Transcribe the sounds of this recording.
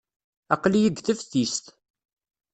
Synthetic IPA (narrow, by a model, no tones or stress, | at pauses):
ɑqlijəɡθəfθist̪